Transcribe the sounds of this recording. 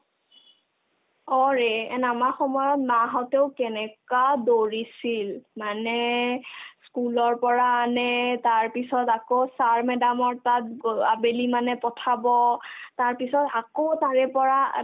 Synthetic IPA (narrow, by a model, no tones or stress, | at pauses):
ɔɹɛɛ̰namaxɔmɔjɔtnaɦɔteʊkɛnɛkadoɹisilmanɛ | skulɔɹpɔɹaːnɛtaɹpisɔtakosaɹmɛdamɔɹtat̚abelimanɛpɔtʰabɔtaɹpisɔtakotaɹɛpɔɹa